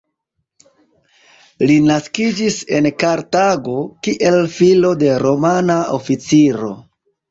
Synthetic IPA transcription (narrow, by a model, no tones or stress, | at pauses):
linaskid͡ʒise̞nkaɾtaɡo̞kiʔe̞lfilo̞de̞ɾo̞manaofit͡siɾo̞̰